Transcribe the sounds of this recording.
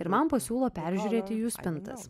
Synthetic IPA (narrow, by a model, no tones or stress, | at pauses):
ɪɾmɐmpɐsʲuːlˠoːpʲæˑɾʲʒʲʉɾʲeːt̪ʲɪjuːsʲpʲɪnt̪ɐ̰s